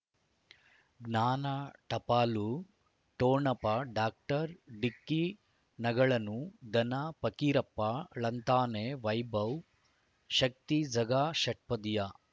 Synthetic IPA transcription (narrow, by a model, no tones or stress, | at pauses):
ɡnaːnaʈɐpaːlu | ʈoːɳɐpɐɖaːk̚ʈɐɾɖikːi | nɐɡɐɭɐnud̪ɐnapɐkiɾɐpːɐɭɐnt̪aːneʋɐjbɐw | ʃɐk̚t̪id͡zɐɡaːʃɐʈ̚pɐd̪ija